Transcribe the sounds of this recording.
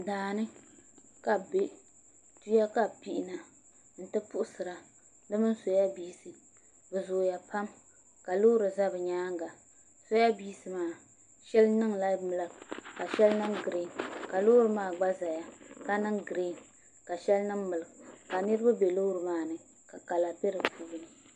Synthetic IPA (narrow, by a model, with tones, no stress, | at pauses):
daː˨nɨ˦ | ka˨be˦ | tu˦ja˦ka˦pi˦ʔi˦na˨ | n̩˨tɨ˦pʊ˦ʔʊ˦sɨ˨ɾa˨ | dɨ˦mɨ˦n˦so˨ja˦biː˦sɨ˨ | bɨ˨zo˨ja˨pa˦m | ka˨lo˦ɾɨ˨za˦bɨ˨ɲaː˦ŋɡa˨ | so˦ja˦biː˦sɨ˨maː˦˨ | ʃɛ˦lnɨ˦ŋla˦bmɨ˦lɨ˨bka˨ʃɛ˦lnɨ˦ŋɡɾe˦˨nka˨lo˦ɾɨ˨maː˦˨ɡ͡ba˦za˨ja˨ka˦nɨ˦ŋɡɾe˦˨n | ka˨ʃɛ˦lnɨ˦ŋmɨ˨lɨ˨ɡka˨nɨ˦ɾɨ˦ba˦be˨lo˦ɾɨ˨maː˦nɨ˨ | ka˨ka˨la˨pɛ˦ɾɨ˨pʰuː˦bnɨ˨